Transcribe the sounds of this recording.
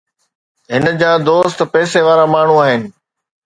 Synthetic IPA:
ɦɪnəd͡ʑaːd̪oːst̪pɛːseʋaːɾamaːɳ̤uaːɦɪnɪ̆

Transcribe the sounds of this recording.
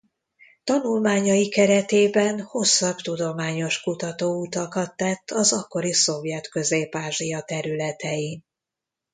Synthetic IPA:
t̪ɒnulmaːɲɒjikɛɾɛt̪eːbɛnho̞sːɒbt̪ud̪o̞maːɲo̞ʃkut̪ɒt̪oːut̪ɒkɒt̪ːɛt̪ʰːɒzɒkːo̞ɾiso̞vjɛt̪kø̞zeːpaːʒijɒt̪ɛɾylɛt̪ɛji

